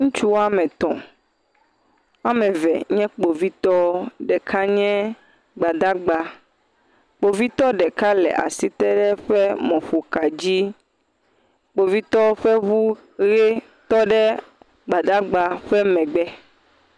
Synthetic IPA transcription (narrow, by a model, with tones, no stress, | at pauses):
ŋũ˦t͡ʃu˦wa˦mɛ̃˨t̪ɔ̰̃˨ | a˦mɛ̃˨vɛ̰˨ɲɛ̃˦k͡po˨vi˦t̪ɔ˦ɖɛ˨kʰa˦ɲɛ̃˦ | ɡ͡ba˨d̪a˦ɡ͡ba˦ | k͡po˨vi˦t̪ɔ˦ɖɛ˨ka˦lɛ̰˨ʔa̰˨si˦t̪ɛ˦ɖɛ˦ɸɛ˦mɔ̃˨ɸo˨ka˨d͡ʑi˦ | k͡po˨vi˦t̪ɔ˦ɸɛ˦βu˦ | ɣe˦ | t̪ɔ˦ɖɛ˦ | ɡ͡ba˨d̪a˦ɡ͡ba˨ɸɛ˦mɛ̃˨ɡ͡bɛ˦